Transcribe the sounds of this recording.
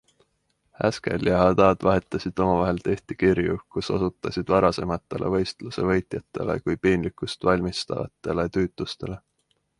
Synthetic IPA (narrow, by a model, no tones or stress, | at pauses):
hæ̰ske̞̰ljɑɦɑd̪ɑːd̪̥vɑɦe̞t̪ˑːɑsid̪̥o̞mɑvɑɦe̞lt̪e̞ht̪ikiɾjukuso̞̰sut̪ːˑɑsid̪̥vɑɾɑse̞mɑt̪ˑːe̞̰lʔe̞̰vɤ̞jst̪luse̞vɤ̞jt̪jɑt̪ːˑe̞̰le̞̰kujpiːnlikˑust̪vɑlʲmist̪ɑ̰vɑ̰t̪ːˑe̞le̞t̪yːt̪ˑlust̪e̞le̞